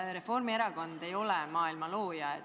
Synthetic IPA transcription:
ɾe̞fo̞rmie̞ɾɑɡo̞nd̪̥e̞jo̞lɛmɑːilmɑlo̞ːjɑe

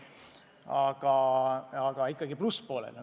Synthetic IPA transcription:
ɑɡ̥ɑɑɡ̥ɑikːˑɑɡipluspo̞ːlḛl

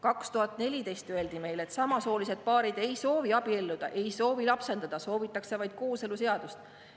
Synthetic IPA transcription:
kɑkst̪uhɑt̪ːˑne̞lʲid̪e̞jst̪øe̞ld̪̥ime̞jle̞t̪sɑmɑso̞ːlise̞d̪̥̚pɑːɾid̪̥e̞jso̞ːviɑb̥ie̞lːud̪̥ɑ̰ʔe̞jso̞ːvilɑpse̞nd̪̥ɑd̪̥ɑso̞ːvit̪ːˑɑkse̞vɑjd̪̥̚ko̞ːse̞luse̞ɑd̪̥ust̪

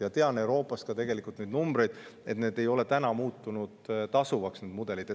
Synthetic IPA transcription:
jɑt̪e̞ɑne̞uɾo̞ːpːˑɑst̪̚kɑt̪e̞ɡ̥e̞likˑult̪nyd̪numbɾe̞jd̪̥e̞t̪neːd̪e̞jo̞le̞t̪ænɑmuːt̪ːˑunud̪̥t̪ɑsuvɑksneːd̪mud̪̥e̞lid̪e

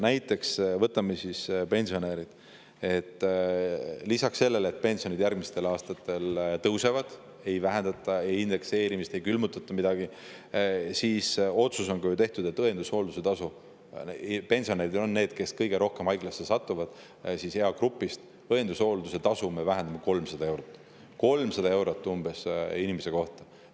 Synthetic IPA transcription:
næjt̪ːˑe̞ksvɤt̪ːˑɑmːesispe̞nʲsio̞neɾid̪̥ | e̞t̪ː | lisɑksːe̞lːe̞let̪̚pe̞nʲsio̞nid̪̥jærɡ̥̚mist̪e̞lɑːst̪ɑt̪ːe̞lt̪ɤwse̞vɑd̪̥ | e̞jvæɦe̞nd̪̥ɑt̪ːˑɑe̞jind̪e̞kse̞ːɾimist̪e̞jkylmut̪ːˑɑt̪ˑːɑmid̪ɑɡ̥i | siːso̞t̪suso̞nkɑjut̪e̞ht̪ud̪e̞t̪ːɤe̞nd̪̥usho̞ːld̪use̞t̪ɑsu | pe̞nʲsio̞neɾid̪onːe̞ːd̪̥ke̞skɤjɡe̞ɾo̞hke̞mɑjɡ̥lɑsːesɑt̪ːˑuvɑd̪̥ | sise̞ɑkrupːˑist̪ | ɤend̪uso̞ːld̪use̞t̪ɑsume̞væɦend̪̥ɑme̞ko̞lmsɑd̪ɑe̞wɾot̪ˑː | ko̞lmsɑd̪ɑe̞wɾot̪ːˑumb̥e̞sinimese̞ko̞ht̪ɑ

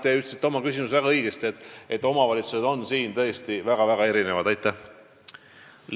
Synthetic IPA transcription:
t̪eyt̪lsit̪ːo̞mɑkys̬ʲimusvæɡ̥ɑɤjɡ̥est̪iet̪ːˑet̪ːˑo̞mɑvɑlʲit̪suse̞d̪o̞nsiːnt̪ɤ̞est̪ivæɡ̥ɑvæɡ̥ɑe̞ɾine̞vɑd̪ɑjt̪ˑːæh

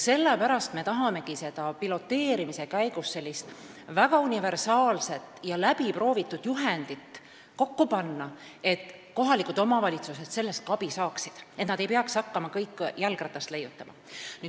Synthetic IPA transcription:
se̞lːepæɾɑst̪me̞t̪ɑɦɑme̞kise̞d̪̥ɑpilo̞t̪ːe̞ːɾimise̞kæjɡust̪se̞lʲːist̪ | væɡɑunive̞rsɑːlse̞t̪ˑjɑlæbipro̞ːvit̪ːˑud̪̥juɦe̞nd̪̥it̪ː | ko̞kːupɑnːɑ | e̞t̪ko̞ɦɑlikud̪o̞mɑvɑlʲit̪suse̞d̪̥se̞lːest̪̚kɑb̥isɑːksid̪̥e̞t̪nɑd̪ejpeɑkshɑkːɑmɑkɤjkːˑjælɡrɑt̪ːˑɑst̪le̞jːut̪ːˑɑmɑ̰ny

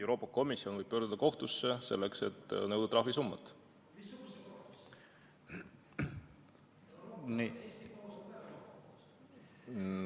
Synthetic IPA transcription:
ewɾo̞ːpːˑɑko̞misio̞nvɤjb̥̚pøːɾd̪ud̪̥ɑko̞ht̪usːe̞se̞̰lːekse̞̰t̪ːnɤwd̪̥ɑt̪ɾɑɦvisumːɑt̪ːˑ | n

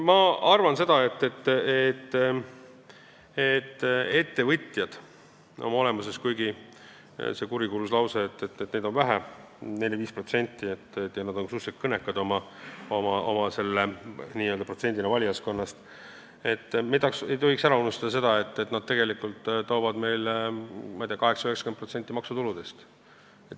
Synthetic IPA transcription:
mɑɑrvɑnse̞d̪̥ɑe̞t̪ːe̞t̪ːet̪ː | et̪ːe̞t̪ːe̞vɤt̪ʲˑjɑd̪̥ | o̞̰mɑo̞le̞muse̞skujɡi | se̞kuɾikuluslɑwseːt̪ːet̪net̪ne̞d̪o̞nvæɦæ | ne̞lʲjɑviːspro̞t̪se̞nʲt̪ːˑiet̪ːjɑnɑd̪̥o̞nksusek̪kɤne̞kːˑɑd̪o̞mɑ | omɑo̞̰mɑse̞lːeniːøld̪ɑpro̞t̪se̞nʲd̪inɑvɑlʲijɑsko̞nːɑst̪ | e̞t̪ːˑmet̪ːɑksejt̪o̞ɦiksæɾɑunust̪ɑd̥̪ɑse̞d̪ɑe̞t̪ːe̞t̪nɑd̪̥̚t̪e̞ɡe̞likult̪ːt̪ːo̞ːvɑd̪me̞jlmɑjd̪ʲiɑkɑɦe̞ksɑ̥øeksɑ̥kenpro̞t̪se̞nʲt̪ːˑimɑksut̪ulud̪e̞st̪ | et̪

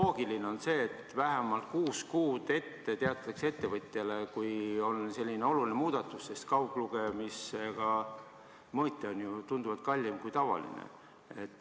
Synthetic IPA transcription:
oːɡ̥iline̞o̞nse̞ːt̪ːvæɦemɑlt̪̚kuːskuːd̪̥e̞t̪ːe̞t̪eɑt̪ːˑɑkseet̪ːe̞vɤt̪ʲˑjɑle̞kujo̞nse̞lʲːine̞o̞luline̞muːd̪̥ɑt̪ːˑusːe̞st̪kɑukluɡ̥emisekɑ | mɤːt̪ːˑeo̞njut̪und̪uvɑd̪̥̚kɑlʲːimkujt̪ɑvɑ̰lḭnḛ | et̪ːˑ

